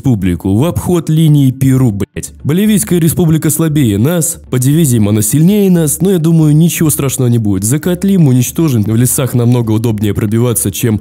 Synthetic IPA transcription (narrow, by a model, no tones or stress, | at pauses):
publʲɪkʊvɐpxo̞t̪lʲinʲɪːpʲɪɾublʲtʲbəlʲɪvʲijskəjəɾʲɪspublʲɪkəslˠɐbʲejənaspədʲɪvʲizʲɪjəmɐnasʲɪlʲnʲejənasno̞jad̪uməjʊnʲɪt͡ɕɪvo̞st̪ɾaʂnəvənʲɪbudʲɪt̪zəkɐt̪lʲimʊnʲɪt͡ɕt̪o̞ʐɨnʲvlʲɪsaxnɐmno̞ɡəʊd̪o̞bnʲɪjəpɾəbʲɪvat̪sːət͡ɕem